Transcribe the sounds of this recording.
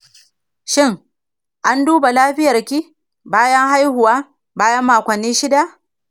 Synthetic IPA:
ʃɪ˦ŋ | ʔa˦nduː˦ba˨laː˦ɸɪ˦jɐ˨rkʲi˦ | baː˦jɐ˦ŋha˦jhʊ˨waː˦ | baː˦jɐ˦mːaː˨kʷɐ˨nːiː˦ʃɪ˦da˦˨ʔ

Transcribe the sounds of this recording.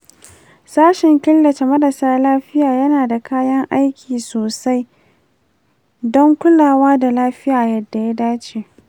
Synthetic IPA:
saː˦ʃɪ˨ŋkʲɪ˦lːɐ˨t͡ʃe˨mɐ˦dɐ˨saː˦laː˦ɸɪ˦jaː˨jɐ˦naː˨da˨kaː˦jɐ˦ŋʔa˦jkʲʰiː˨soː˨sa˦j | dɔ˦ŋkʷʊ˦laː˨waː˦da˨laː˦ɸɪ˦jaː˨jɐ˦dːa˨ja˦daː˦t͡ʃeː˨

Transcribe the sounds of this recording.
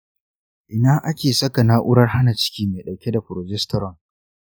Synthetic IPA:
ʔɪ˨naː˦ʔa˦kʲeː˨sɐ˦ka˨na˦ʔʊ˦ɽɐ˦rha˦na˨t͡ʃɪ̥˦kʲiː˦meː˨ɗɐ˨wkʲe˦da˨ɸʊ˨ɾo˨d͡ʒɛ˦stɔ˦ɾɔ˨ŋ

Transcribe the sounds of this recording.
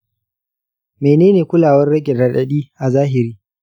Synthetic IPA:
meː˨neː˦neː˨kʷʊ˦laː˨wɐ˦rɽɐ˦ɡʲɛ˨dɐ˨ɗɐ˦ɗiː˦ʔa˨zaː˦ɦɪ˨ɾiː˦

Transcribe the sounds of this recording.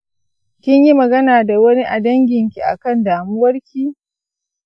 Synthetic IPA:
kʲɪ˦ɲji˦mɐ˨ɡɐ˦naː˨da˨wɐ˦ni˦ʔa˨dɐ˦ŋɡʲɪ˨ŋkʲi˨ʔa̰˨kɐ˦˨ndaː˨mʊ˦wɐ˦rkʲi˦

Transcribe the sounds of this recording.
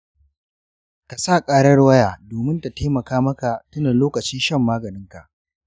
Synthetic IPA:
ka˨sa˦˨kʼaː˦ɽɐ˦ɽwɐ˦jaː˨doː˨mɪ˦nta˨teː˦mɐ˨kaː˦mɐ˦ka˨tʊ˦naː˨loː˦kɐ˨t͡ʃiː˦ʃɐ˦˨mːaː˦ɡɐ˨nɪ˦ŋka˨ʔ

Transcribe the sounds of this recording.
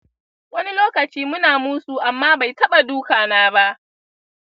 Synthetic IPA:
wɐ˦ni˦loː˦kɐ˨t͡ʃiː˦mʊ˦naː˨muː˦su˨ʔa˨mːaː˦ba˨jtɐ˦ɓa˨duː˦kaː˨naː˦ba˦ʔ

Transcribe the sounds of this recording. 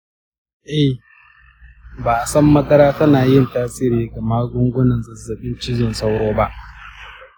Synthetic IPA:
ʔɛ˦˨h | baː˨sɐ˦mːɐ˦dɐ˦ɾaː˦tɐ˦naː˨jɪ˦˨ntaː˦sɪː˦ɾiː˨ɡɐ˨maː˦ɡʷʊ˦ŋɡʷʊ˦nɐ˨nzɐ˨zːɐ˨ɓɪ˦nt͡ʃɪ˦d͡ʒɪ˨nsa˦wɽoː˦ba˦ʔ

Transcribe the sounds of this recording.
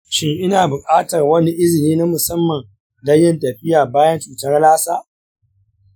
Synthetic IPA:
ʃɪ˦ŋʔɪ˦naː˨bʊ˨kʼaː˦tɐ˨rwɐ˦ni˦ʔɪ˦zɪ˨niː˦na˦mʊ˨sɐ˦mːɐ˨n | dɐ˦jɪ˦ntɐ˨ɸɪ˦jaː˨baː˦jɐ˦nt͡ʃuː˨tɐ˦rlaː˦saː˦

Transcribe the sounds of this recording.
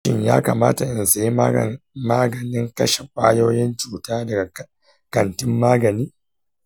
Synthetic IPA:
ɪ˦˨ɲja̰ː˦ka̰ː˨maː˦ta˨ʔɪ˨nsa˨ji˦˨maː˦ɡɐ˨nɪ˦ŋkɐ˦ʃe˨ɸʷʼaː˦joː˦jɪ˦nt͡ʃuː˨taː˦dɐ˨ɡa˨ | kɐ˨ntɪ˦mːaː˦ɡɐ˨niː˦

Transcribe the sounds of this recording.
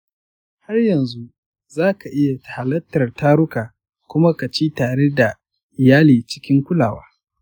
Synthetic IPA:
ha˦rjɐ˨nzu˦ | zaː˦ka˨ʔɪ˦ja˨tḁ˨ha˨lɐ˦tːɐ˨rtaː˦ɾʊ˦kaː˨ | kʷʊ˦ma˦ka˨t͡ʃiː˦taː˨ɽe˦da˨ | ʔɪ˨jaː˦liː˨t͡ʃɪ̥˦kʲɪ˦ŋkʷʊ˦laː˨wa̰ː˦

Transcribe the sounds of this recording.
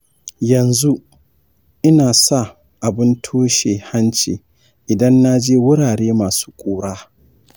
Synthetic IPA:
jɐ˨nzu˦ | ʔɪ˦naː˨sa˦˨ | ʔa˨bɪ˦ntʰoː˦ʃeː˨ha˦nt͡ʃe˨ | ʔɪ˨dɐ˦nːa˦d͡ʒeː˦wʊ˦ɽaː˨ɽeː˦maː˨su̥ː˦kʷʼoː˦ɽaː˦

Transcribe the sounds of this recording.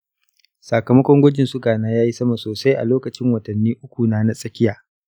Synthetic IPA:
saː˨kɐ˨mɐ˦kʷɔ˦ŋɡʷɐ˦d͡ʒɪ˨nsʊ˦ɡaː˨naː˦jaː˦ji˦sɐ˦ma˨soː˨sa˦jʔa̰˨loː˦kɐ˨t͡ʃɪ˦ŋwɐ˨tɐ˨nːiː˦ʔʊ˦kʷu˨naː˦na˦sʼɐ˦kʲɪ˦jaː˨

